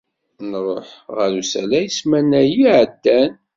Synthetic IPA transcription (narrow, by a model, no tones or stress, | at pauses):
nərˤoħʁəɾusælæjəsmænːæjiʕəd̪ːæn